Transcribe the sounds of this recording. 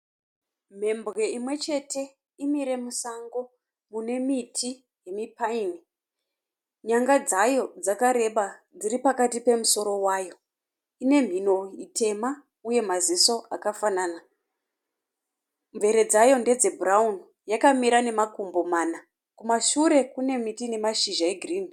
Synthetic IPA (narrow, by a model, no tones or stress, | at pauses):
m̤e̞mbɣe̞imwe̞t͡ʃe̞te̞ | imiɾe̞musaŋɡo̞ | mune̞mitʰi | je̞mipaini | ɲaŋɡad͡zajo̞d͡zakaɾe̞ɓa | d͡ziripakatipe̞muso̞ɾo̞waːjo̞ | ine̞m̤ino̞itʰe̞ma | uje̞maziso̞ʔakafanaːna | ɱve̞ɾe̞d͡zajo̞nde̞d͡ze̞bʱuraun | jakamiɾane̞makumbo̞maːna | kumaʃuɾe̞kune̞mitine̞maʃiʒaeɡʱriːn